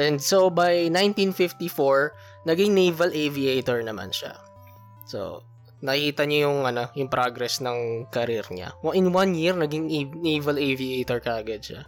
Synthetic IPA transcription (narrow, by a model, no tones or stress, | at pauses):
ʔɛ̃nd̪sobɐjnãj̃nt̪ĩnfɪft̪ifoɹ | nɐɡɪŋnejvɐlʔeviejt̪ɛɹnɐma̰nʃa̰ | so̰ | nɐkihiːt̪ɐɲojʊŋʔɐno̞jʊŋpɾaɡɾɛsnɐŋkɐɾɪɾɲa̰wɐʔɪ̃nwanjiɹnɐɡɪŋnejvɐleviejt̪ɔɹkɐʔɐɡɐd̪̚ʃa̰